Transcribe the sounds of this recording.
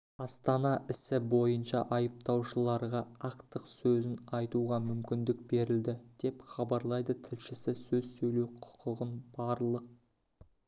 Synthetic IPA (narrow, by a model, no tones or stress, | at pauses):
ɑst̪ɑnɑʔɪsɪbo̞jənʃɑʔɑjəp̚t̪ɑwʃəlˠɑɾʁɑɑqt̪əqsɵzɪnɑjt̪uʁɑmʏmkʲɪnd̪ɪk̚be̞ɾɪld̪ɪd̪̥e̞pχɑbɑɾlˠɑjd̪ət̪ʰɪlʃɪsɪsɵzsɵjle̞wqʰʊ̥qʰʊʁənb̥ɑɾlˠəq̚